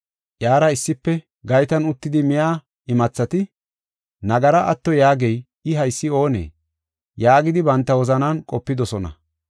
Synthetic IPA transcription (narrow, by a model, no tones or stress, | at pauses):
ʔjaːɾɐɪsːɪpːɛ | ɡɐjt̪ɐnʊt̪ːɪd̪ɪmɪjaː | ɪmɐt͡sːɐt̪ɪ | nɐɡɐɾɐʔɐt̪ːɔjaːɡɛj | ɪɦɐjsːɪo̞ːnḛː | jaːɡɪd̪ɪbɐnt̪ːɐwɔzɐnankʼɔpːɪd̪ɔsɔnɐ̰